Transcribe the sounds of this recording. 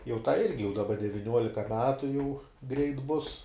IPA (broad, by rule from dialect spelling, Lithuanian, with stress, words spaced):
jɛʊ tɐɪ ˈɪrʲɡʲɪ jɛʊ dɐˈbɐ dʲɛʋʲɪˈnʲuɔlʲɪkɐ ˈmʲæːtʊ jɛʊ ɡrʲɛɪt ˈbʊs